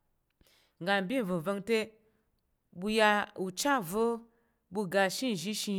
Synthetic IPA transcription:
ŋɡa˨nbi˦˨və˨və˧ŋte˦ | bu˧ja˧u˨t͡ʃa˦vo˦ | bu˧ɡa˨ʃi˦n˨ʒi˦ʃi˧

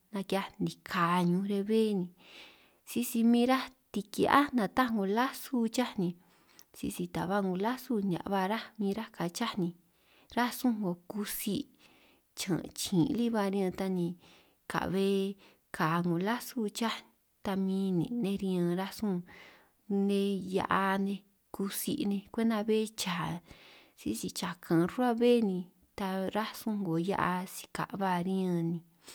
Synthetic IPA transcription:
nã˧kja˧nĩ˨˧kʰa˨ɲũ˧ɾe˧βe˦˨nĩ˧ | si˦si˧mĩ˦ɾa˦t̪i˧ki˧ʔa̰˦nã˧t̪a˦ŋɡõ˧la˦su˦t͡ʃa˦nĩ˧ | sḭ˧si˧t̪a̰˨βa˦ŋɡõ˧la˦su˦nã̰˨ʔβa˧ɾa˦mĩ˧ɾa˦ka˨t͡ʃa˦nĩ˧ | ɾa˦sũ˦ŋɡo˧ku˧si˧˦ | t͡ʃã̰˨˧t͡ʃĩ˨˧li˦βa˧ɾĩ˧t̪a˧nĩ˧ | ka̰˨ʔβe˦ | ka˨˧ŋɡõ˨la˦su˦t͡ʃa˦˧ | t̪a˧mĩː˧˦nĩ˨nẽ˦˧ɾĩ˧ã˧ɾa˦sũ˦˧ | nẽ˧ja̰˧ʔa˧nẽ˧ | ku˧si˧nẽ˧kʷe˦nd̪ã˧βe˦˧t͡ʃa˨ | si˦si˧t͡ʃa˨kʰã˨˧ru˦a˦βe˦˨nĩ˧ | t̪a˧ɾa˦sũ˦ŋɡo˨ja̰˦ʔa˧si̥˧ka̰˨ʔβa˧ɾĩ˦ã˧nĩ˧

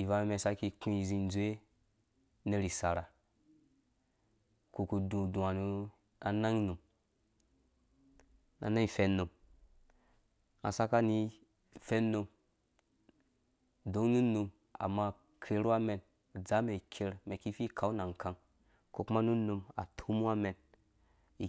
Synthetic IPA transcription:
i˨va˨me˨me˨sa˦ki˧kũ˦i˨zi˨n˦zu˨e˦ | ne˦ɾi˨sa˨ɾa˨ | ko˨ku˨dũ˨dũ˨a˨nu˦ | a˨na˦ŋ˦nu˨m | na̰˨na˦i˦fe˦nːo˨m | a̰˨sa˦ka˦ni˦ | fe˦no˧m | do˨˦nu˦nu˧m | a̰˨mːa˦ | kʰɾe˦ɾa˦me˨n˨ | d͡za˨˦me˨kʲʰe˦ɾme˨ki˦fi˦kʰa˨u˦na˨ŋ˨kʰa˨ŋ | ko˨ku˦ma˦nu˦nu˧˨ma̰˨tʰu˦mu˦a˦me˨n | i˨

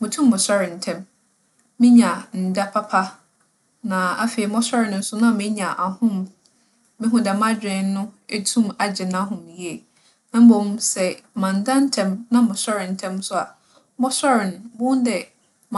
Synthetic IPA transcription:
mʊ̃˨tʰũ˦mːʊ̃˨sɔ˦ɾɪ̃˨n̩˨tʰɛ̃˦m | mɪ̃˦ɲã˨n̩˨da˦pʰa˦pʰa˦ | nã˨a˦fi˨i˨˦mɔ̃˦sɔ˦ɾɪ˨nʊ̃˨n̩˦sʊ˦nã˦a˨mɪ̃˦ɲã˨ʔa˨hʊ̃˦m | mɪ̃˦ɦʊ̃˦dɛ˨mã˦d͡ʑᶣɪ̃˨˦n˦nʊ̃˦e˦tʰũ˦ma˨d͡ʑɪ˨nã˦ɦʊ̃˨m˨ji˨e˨ | nã˨m̩˦bõ˨m˦sɛ˨mã˨n˨dã˦n˦tʰɛ̃˦mnã˦mʊ̃˨sɔ˦ɾɪ̃˨n̩˨tʰɛ̃˦msʊ˦a̰˨ | mɔ˦sɔ˦ɾɪ˨ñ˨bʊ̃˦n˦dɛ˨ | m˨

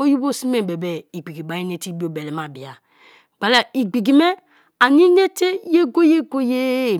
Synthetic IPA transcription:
o˦ju˦bo˦˨si˦me˨bɛ˨bɛ˨i˨ɡ͡bi˨ɡi˨ba˨˦i˦ne˦ti˦bi˦o˨bɛ˨lɛ˨ma˨bi˨a˨ | ɡ͡ba˨la˨i˨ɡ͡bi˨ɡi˨mɛ˦ | a˨ni˦ne˦te˦je˦ɡo˦je˦ɡo˦je˦˨

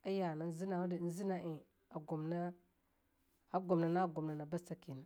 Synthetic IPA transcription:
a˦ja˨na˨n˦zi˦na˨wu˦di˨˦n̩˦zi˦na˨ʔi˨ | a˨ɡo˨mna˦ | a˦ɡo˨mna˨na˦ɡo˨mna˨na˨ba˦sa˦ki˨n˨

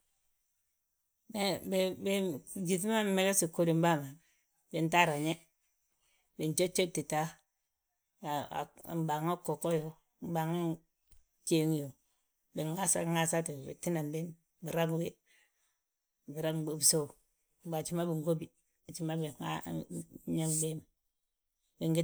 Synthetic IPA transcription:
e˦be˨be˨˦d͡ʒi˨ti˦ma˦me˨le˦si˨ko˦ɾi˨m˦ba˦˨ma˨ | be˨nta˦˨ɾa˨ɲe˦ | be˨nt͡ʃe˦t͡ʃːe˦ti˨ta˦ | a˨a̰˨m˨ba˨ŋo˦ko˨ko˦jo˨ | m˦ba˨ŋa˦n | t͡ʃe˦ŋ˦jo˨ | be˨ŋa˦sa̰˦˨ŋa˦sa˦ti˨bḭ˨ti˦na˨mbe˦m | bi˨ɾa˦ŋ˦we˦ | bi˨ɾa˦ŋe˨bso˦˨ | ba˨t͡ʃi˦ma˦bi˨ŋɡo˦bi˨ | a˨t͡ʃi˦ma˦bi˨a˦ | ɲe˦ŋbe˦m | bi˨ŋɡi˦

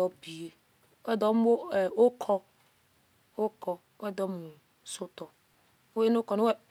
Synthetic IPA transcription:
ɔ˦bi˨e˨ | wɛ˦˨d̪ɔ˦m˦wo˦˨o˦kʰɔ˦ | wo˦kʰɔ˨ | wɛ˦˨d̪ɔ˦mũ˨ | so˦t̪ɔ˨ | wo˦e˦nʊ̃˦kɔ˨nʊ̃˦ɛ˦

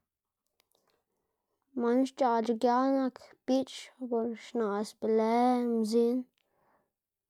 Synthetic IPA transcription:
ma˧˦nʃt͡ʃa˧˨d͡ʒi˧ɡja˦na˧kpi˦t͡ʃbo˧ɾʃna˨sbe˨le˧˦mzi˦n

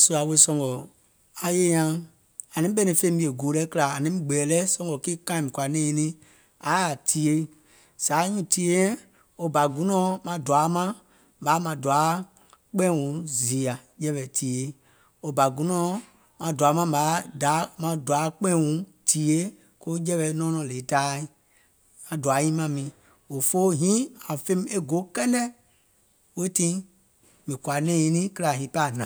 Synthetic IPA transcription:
su˦˧a˨˦we˧˦sɔ̃˧ŋɡɔ˨ | a˨je˦ɲã˧ | a˨nĩ˨˦ɓɛ˦nĩ˧˨fẽ˧˦˨bi˧˦e˨ɡoː˨˦lɛ˦kɨ˦la˨a˨nĩ˦ɡ͡bɛː˨lɛ˦sɔ̃˧ŋɡɔ˨ki˦kã˦˨mĩ˨kwa˨nɛ̃ː˦˨˧nĩ˦ | a˨˦a˨tʰi˨˦e˧˦ | z̥aː˨˦ɲũ˦ti˦e˦ɛ̃˦ | o˧ba˨ɡũ˨˦nɔ̃ː˨˦mã˧dwa˨˦mã˦ | baː˨˦mã˧˨du˨a˨˦ | k͡pɛ̃˦˨wũ˨˦zi˨a˨jɛ˧˦ɓɛ˨ti˨˦e˨˦ | o˧ba˨ɡũ˨˦nɔ̃ː˦ | mã˧da˨˦mã˧˦ba˨˦da˨˦mã˧du˨a˨˦k͡pɛ̃˦˨wũ˨˦tʰiː˨e˦ | ko˦d͡ʒɛ˦βɛ˧˦nɔ̃ː˦nɔ̃˨le˨˦taː˦i˦ | mã˨du˨a˨˦ɲĩ˦mã˧mĩ˨˦ | o˨fo˦ɦĩ˦a˨fẽ˦m˦e˦ɡo˨˦kɛ˦nɛ̃˦ | we˦tĩ˦ | mĩ˨kwa˨nɛ̃ː˦ĩ˧˦nĩ˦kɨ˦la˨ɦĩ˨˦pa˦˨nã˨

